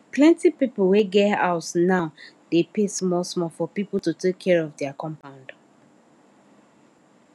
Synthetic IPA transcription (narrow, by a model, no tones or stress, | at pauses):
plɛ̃ntipipəlweɡɛaʊtnaʊ | depesmɔlsmɔfɔpipl̩tutʰekʰːɛɹɔvdɛakʰɔ̃mpãʊ̃nd̥